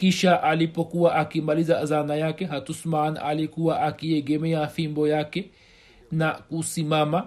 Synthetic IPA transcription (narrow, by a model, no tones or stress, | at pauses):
kiʃaʔalipɔkuwaʔakimalizazanajakɛɦatusmana̰likuwaʔakiɛɡɛmɛafimbɔjakɛ | nakusimama